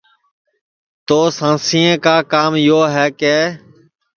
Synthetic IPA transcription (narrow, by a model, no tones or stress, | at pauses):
t̪oːsãːsĩːẽːkaːkaːmjoːɦɛːkeː